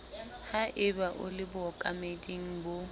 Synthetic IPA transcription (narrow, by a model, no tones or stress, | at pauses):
haʔɪbaʔʊ̰lɪbʊɔkʼamedʼiŋ̩bo